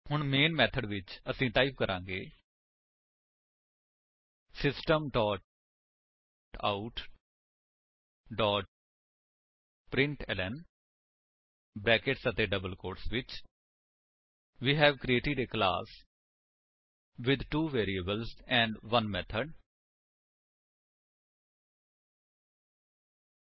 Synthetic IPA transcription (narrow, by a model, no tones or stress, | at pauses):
hʊɳmeːnmɛːt̪ʰəɖʋɪt͡ʃəsĩːʈ̪aːɪipkəɾʔãːŋɡḛː | sɪsʈəmʈɔːʈ | ʈa̰ːʊʈ | ɖɔːʈ̚ | pɾɪ̃ɳʈɛlɛn | bɾɛːkeʈsət̪eɖəbəlkoːɾʈsʋɪt͡ʃ | ʋiːɦɛːʋkɾieːʈɪɖekla̰ːs | ʋɪd̪ʈuːʋeːɾiəbəlsɛ̃ːɳɖʋʌ̃nmɛt̪ʰəɖ